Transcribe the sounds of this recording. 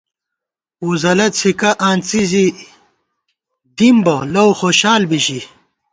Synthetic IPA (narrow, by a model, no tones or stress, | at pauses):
uzɐlɐt̪sʰikɐʔaːnt͡sizi | d̪imbɐlɐwxoɕaːlbiɕi